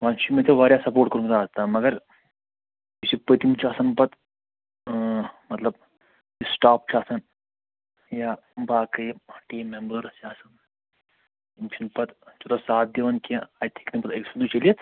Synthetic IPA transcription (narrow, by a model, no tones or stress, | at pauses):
ʋaːnt͡ʃʰimẽt̪ʰeʋaːɾʲjasɐpoːɾʈkəɾumt̪aːzt̪aːmɐɡɐɾ | isipət̪imt͡ʃʰaːsɐnpɐt̪ | mɐt̪lɐb | isʈaːp̚t͡ʃʰaːsɐn | jaː | baːkɐjʈiːmembəɾsjaːsɐn | imʃʰɐnpɐt̪t͡ʃot̪asaːt̪̚d̪iʋɐnkaːt̪ʰi̥knipɐt̪eksʰund̪ut͡ʃɐliet̪